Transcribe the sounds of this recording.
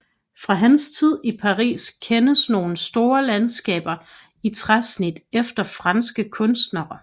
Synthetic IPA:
fʁɑ̈ɦænst͡sʰið̞̰ˠipʰɑ̈ʁḭːskʰenəsno̝ːn̩sd̥o̝ːɐlænsɡ̥ɛ̰ːb̥ɐ | it͡sʰʁasnid̥efd̥ɐfʁɑnsɡ̥əkʰɔ̽nsd̥nɐɐ

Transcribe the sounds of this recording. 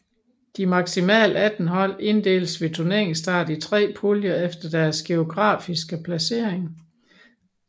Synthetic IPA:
d̥imɑ̈ɡ̥simɛ̰ːləæd̥n̩ɦɒ̽l̰e̝nd̥e̝̰ːlsʋe̝t͡sʰuɐne̝ɐ̰eŋsd̥ɑ̈ːd̥it͡sʰʁɛ̰ːpʰoljɐefd̥ɐd̥æɐsɡ̥e̝o̝ɡ̥ʁɑ̰̈ːfisɡ̥əpʰlæse̝ːɐ̰e̝ŋ

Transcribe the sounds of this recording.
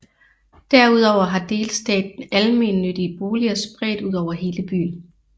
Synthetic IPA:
d̥æɐ̰uð̞̰ˠɒʊ̰ɐɦɑ̈d̥e̝ːlsd̥ɛ̰ːd̥en̩ælme̝̰ːnːød̥iəb̥o̝ːliɐsb̥ʁɛd̥uð̞ˠɒʊ̰ɐɦe̝ːləb̥y̰ːn̩

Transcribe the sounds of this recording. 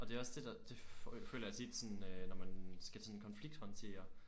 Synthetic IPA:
ʔɒ̽d̥e̝ɒ̽sd̥e̝d̥ɑd̥e̝fø̰ːlɐjæsed̥sɒ̽n̩ønɒmænsɡ̥æsɒ̽nkʰɒ̽nfliɡ̥̚d̥hɒ̽nt͡sʰe̝̰ːɐ

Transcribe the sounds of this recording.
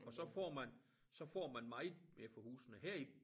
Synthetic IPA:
ɒ̽sɒ̽fɒ̰ːmæn | sɒ̽fɒ̰ːmænmɑ̈ɪðˠmeɐfɒ̽hṵːsənəheɐ̰i

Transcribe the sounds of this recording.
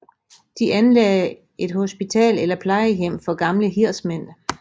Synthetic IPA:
d̥iʔænlɛɪ | e̝d̥ho̝sb̥it͡sʰɛ̰ːlelɐpʰlɑ̈ɪəjem̰fɒ̽ɡ̥ɑ̈mləɦiɐ̰smen̰

